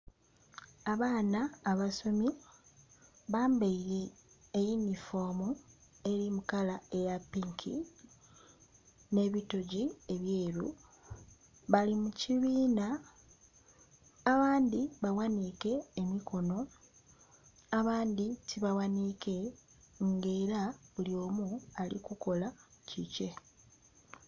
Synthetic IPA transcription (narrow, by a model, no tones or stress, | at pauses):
aβaːnaːβaso̞mi | βaːmbeiɾe̞ː | jinifo̞mue̞ɾimukalae̞japːiŋkʰḭ | ne̞ːβito̞ɟieβjeːɾu | βalimuciβiːna | βaːndiβawanike̞ːmikʰo̞no̞ | aβaːnd̪itʰiβawanike̞ | ŋɡe̞ːɾaβulio̞ːmualḭkuko̞lacice̞